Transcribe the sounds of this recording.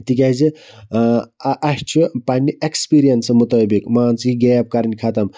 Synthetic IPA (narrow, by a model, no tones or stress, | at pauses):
t̪ikʲazi | ʔɐʃt͡ʃʰupɐnʲːiʔekspiːɾijɐnsmut̪əːbikmaːnt͡siɡeːp̚kɐɾnʲkʰat̪ɐm